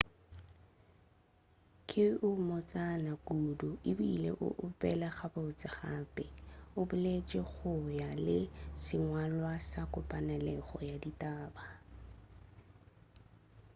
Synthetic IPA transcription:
kʰʼɪʔʊmɔt͡sʼanakʼudʊibiilḛʔʊ̰ʔʊpʼɛlaɣabaʊt͡sʼɪχaːpʼɪʊbʊlet͡ʃʼɛɣʊjalɪsɪŋwalwasakʼʊpʼanɛlɛχɔjaditʼaːba

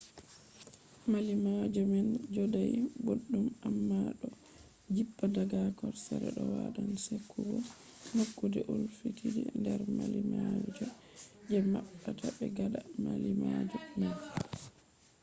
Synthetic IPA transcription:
malimad͡ʒɔmɛnd͡ʒɔdajboɗːumamːaɗɔ | d͡ʒipːadaɡakɔɾsɛɾɛ̰ɗɔwaɗansekʰːubɔ | hakːudɛʔulfitʰidɛndɛɾmalimad͡ʒɔ | d͡ʒɛmaɓːatʰabɛɡaɗamalimad͡ʒɔman

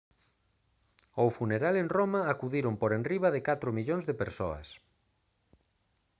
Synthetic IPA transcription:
ofuneɾalenromaːkuðiɾompoɾenriβaðɪkat̪ɾʊmiʎõŋzðepeɾso̰ɐ̰s

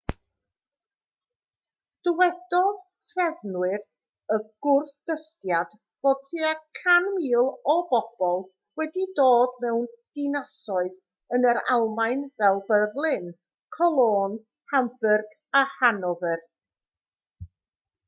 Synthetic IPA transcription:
d̥ɪwɛdɔðtʰrɛðnwɨr | əɡ̥ʊrθd̥əstjad̥ | v̥oːd̚tʰiːakʰanmiːlˠɔbɔb̥ɔlˠ | wɛdidoːdmɛwnd̥ɪnasɔɨð | ənəɾa̰lˠmajnvɛlˠbəvlˠɪn | kʰɔlˠoːn | hambərɡ | ahanɔvər

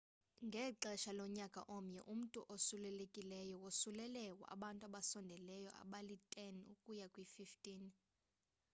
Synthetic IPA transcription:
ŋɡʱɛǃɛʃalɔɲakʼa̰ʔɔm̩ɲɛʔum̩tʼuʔosulɛlekʼilɛjɔwosulɛlɛkʼwa̰ɓantʼuaɓasɔndʱɛlɛjɔ̰ʔa̰ɓalitʼɛnukʼujakʼwififtʼiːn

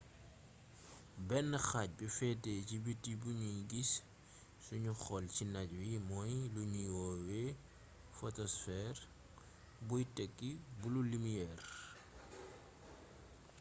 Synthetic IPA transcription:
bɛnːəxac̚bifɛtecibitibuɲuɡis | suɲuxɔlcinaɟwimɔjluɲiwɔwɛ | fɔtɔsfɛr | bujtɛkːibululimijɛr

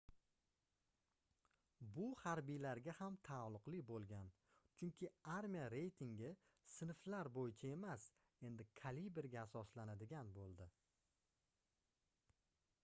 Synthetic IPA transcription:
bʊhaɾbijlaɾɡʲahamt̪ʰalˠʊqlˠɪbolˠɡʲan | t͡ʃʰʊŋkʲʰɪaɾmijaɾe̞jt̪ʰɪŋɡʲɪ | sɪnflaɾbojɪt͡ʃʰae̞mas | e̞nd̪ɪkʰalibeɾɡʲaːsɒslanad̪ɪɡʲanbolˠd̪ɪ

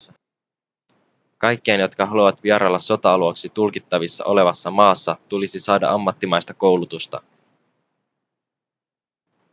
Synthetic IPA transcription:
ɑ | kɑjkːeːnjo̞t̪kɑɦɑluʋɑt̪ʋiɑɾɑlːɑso̞t̪ɑɑluɑksit̪ulkit̪ːɑʋisːɑ̰ʔo̞le̞ʋɑsːɑmɑːsːɑt̪ulisisɑːdɑ̰ʔɑmːɑt̪ːimɑjst̪ɑko̞wlut̪ust̪ɑ̰

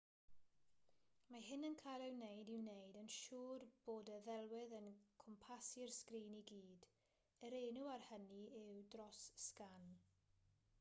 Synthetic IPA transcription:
maɦɪnənkʰajlˠɪwnejdɪwnejdənʃuːrb̥oːdəðɛlˠwɪðənkʰɔmpʰasɪrskriːniɡiːd | əɾejnuarhəniɪwdrɔsskan

